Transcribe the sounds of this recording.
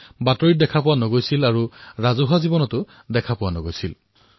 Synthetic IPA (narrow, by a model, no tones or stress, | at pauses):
batɔɹidɛkʰapʊwanoɡojsilaɹuɹazuɦɔzibɔnɔtʊ | dɛkʰapʊwanoɡojsil